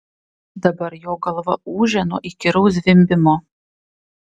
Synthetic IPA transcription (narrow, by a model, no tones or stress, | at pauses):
d̪ɐbɐɾjoːɡɐlˠʋɐuːʒʲɛno̰ːʔiːkʲɪɾɐʊs̬ʲʋʲɪmʲbʲɪmoː